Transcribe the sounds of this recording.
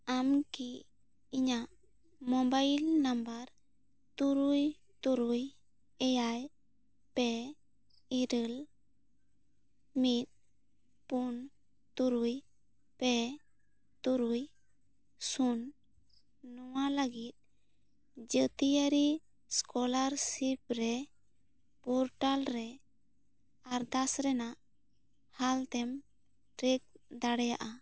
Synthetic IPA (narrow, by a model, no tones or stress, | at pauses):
amki | iɲaʔ | mɔmbajlnambaɾ | t̪uɾuj | t̪uɾuj | ɛjaj | pɛ | iɾəl | mit̪̚ | pun | t̪uɾuj | pɛ | t̪uɾuj | sun | nɔwaləɡit̪̚ | d͡ʒət̪ijəɾi | skɔlaɾsip̚ɾɛ | pɔɾʈalɾɛ | aɾd̪asɾɛnaʔ | halt̪ɛm | ʈɾek̚d̪aɽɛja̰ʔa